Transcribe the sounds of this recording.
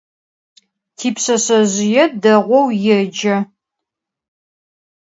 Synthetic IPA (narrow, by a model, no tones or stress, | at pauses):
tʰiːpɕɐɕɐʑɪjɛdɐʁʷɔwjɛd͡ʒɐ